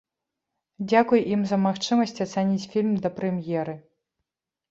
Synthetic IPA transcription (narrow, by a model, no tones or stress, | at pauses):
d͡zʲakujʔimzɐmaxt͡ʂɨmɐsʲt͡sʲat̪sɛnʲit͡sʲfʲilʲmd̪ɐpɾɛmjɛɾɨ